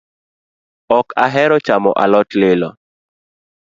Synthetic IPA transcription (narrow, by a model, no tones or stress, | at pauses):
ɔkaɦɛɾɔt͡ʃamɔ̰ʔalɔtlɪlɔ